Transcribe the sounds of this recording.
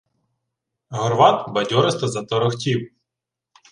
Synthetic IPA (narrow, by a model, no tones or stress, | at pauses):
ɦɔrʋɑt̪bɐdʲɔɾɪst̪ɐzɐt̪ɔɾɔxtʲiw